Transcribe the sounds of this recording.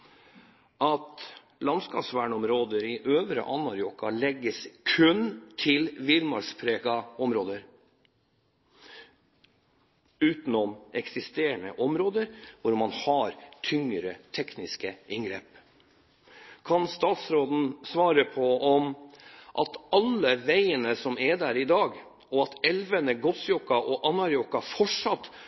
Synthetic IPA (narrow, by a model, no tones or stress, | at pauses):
ʔɑt̪ | lɑnskɑsʋæːɳɔmɾoːd̪əɾɪʔøːʋɾə̰ʔɑnɑɾjɔkɑlɛɡːəskʰʉnt̪ʰɪlʋɪlmɑɾspʰɾeːkɑɔmɾoːd̪əɾ | ʉːt̪nɔmʔɛksɪst̪eːɾəɳəʔɔmɾoːd̪əɾʋʊɾmɑnhɑɾt̪ʰʏŋɾət̪ʰɛknɪskəʔɪŋɡɾeːp | kʰɑnst̪ɑːt̪sɾoːd̪n̩sʋɑːɾəpʰɔɔmʔɑ̰t̪ɑlːəʋæɪənəsɔmɛd̪æːɾɪd̪ɑːɡ | ɔɑt̪ɛlʋənəɡɔsjɔkɑʔɔʔɑnɑɾjɔkɑfɔʂɑt̪ː